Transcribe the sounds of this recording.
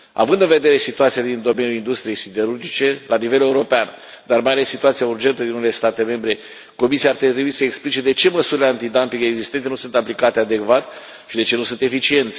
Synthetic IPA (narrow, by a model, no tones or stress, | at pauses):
a̰vɨnd̪ɨnve̞d̪e̞ɾe̞sit̪uat̪sijad̪ind̪o̞me̞nʲjulind̪ust̪ɾije̞jsid̪e̞ɾurd͡ʒit͡ʃe̞lanive̞le̞uɾo̞pean | d̪armajale̞sːit̪uat̪sijaurd͡ʒe̞nt̪əd̪inunele̞st̪at̪e̞me̞mbɾe̞ | ko̞misiaːrt̪et̪ɾebuisəeksplit͡ʃe̞d̪e̞t͡ʃe̞məsuɾileant̪id̪ampikeːɡzist̪ent̪enusunt̪aplikat̪e̞ad̪e̞kvat̪ | ʃid̪e̞t͡ʃe̞nusunt̪e̞fit͡ʃie̞nt̪sʲ